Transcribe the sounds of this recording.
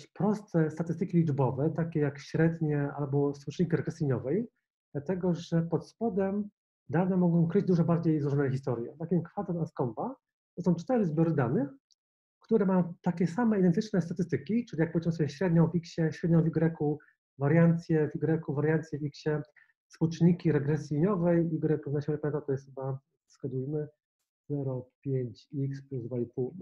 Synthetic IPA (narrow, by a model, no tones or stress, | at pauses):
pɾɔst̪ɛst̪at̪ɘst̪ɘkʲilʲid͡ʐbɔvɛt̪akʲɛjakɕɾɛd̪ɲɛa̰lbɔswut͡ʂɲikʲiɾɛkɛsiɲɔvɛj | d̪̥lat̪ɛɡɔʐɛpɔt̪spɔd̪ɛm | d̪anɛmɔɡɔ̃w̃kɾɘd͡ʑd̪uʐɔbaɾd͡ʑejzɾɔʐɔnɛxʲist̪ɔɾjɛt̪akʲimkfad̪ɛnaskɔmba | t̪ɔsɔ̃w̃t͡ʂt̪ɛɾɘzbʲjɔɾɘd̪anɘx | kt̪uɾɛmajɔ̃w̃t̪akʲɛsamɛid̪ɛnt̪ɘt͡ʂnɛst̪at̪ɘst̪ɘkʲit͡ʂɘlʲijak̚pɔvʲezimɘsɔbjɛɕɾɛd̪ɲɔ̃w̃vʲikɕɛɕɾɛd̪̚ɲɔ̃w̃vʲiɡɾɛku | vaɾjant̪sʲjɛviɡɾɛkuvaɾjant̪sʲjɛvʲikɕɛ | sput͡ʂɲikʲiɾɛɡɾɛsʲjiɲɔvɛjiɡɾɛkuvnaɕɛɾɛpɛ̃nat̪ɔjɛst̪xba | fskad͡ʑujmɘ | z̥ɛɾɔpʲjeɲt͡ɕikspluzd̪vaipul